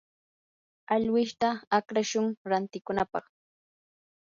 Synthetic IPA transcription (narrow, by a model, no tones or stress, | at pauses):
aʎwɪʃt̪aːkɾaʃʊŋɾant̪ɪkʊnapɑ̰χ